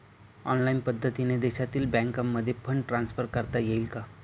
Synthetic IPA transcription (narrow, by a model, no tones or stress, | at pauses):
ɔnlainpəd̪ʱːət̪ined̪eɕat̪iːlbɛ̃ŋkamːəd̪ʱːjepʰəɳʈɾansfəɾkəɾt̪ajeilka